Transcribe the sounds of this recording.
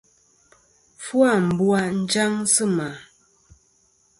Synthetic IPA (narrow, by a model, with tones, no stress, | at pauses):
fwa˦˨m̩˨bwa˦n̩˦d͡ʒa˦ŋsɨ˦ma˨